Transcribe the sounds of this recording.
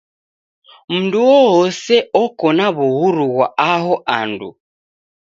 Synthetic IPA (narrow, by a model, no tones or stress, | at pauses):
m̩nduɔɦɔsɛɔkɔnaβuɦuɾuɣwaaɦɔʔandṵ